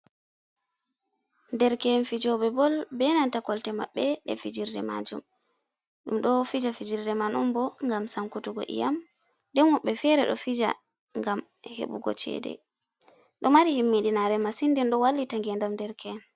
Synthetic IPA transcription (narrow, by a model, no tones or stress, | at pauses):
ndɛɾkɛnfid͡ʒɔbɛbɔlbɛnantakɔltɛmaɓːɛɗɛ̰fid͡ʒiɾdɛ̰ma̰d͡ʒṵm | ɗumɗɔfid͡ʒafid͡ʒiɾdɛmanumbɔŋɡamsaŋkutuɡɔ̰ʔḭjam | ndɛnwɔɓːɛfɛɾɛɗɔ̰fid͡ʒa̰ | ŋɡam | hḛɓṵɡɔ̰t͡ʃɛ̰ːdɛ̰ | ɗɔmaɾihimːiɗinaɾɛmasindinɗɔwalːitaŋɡɛndamdɛɾkʰɛn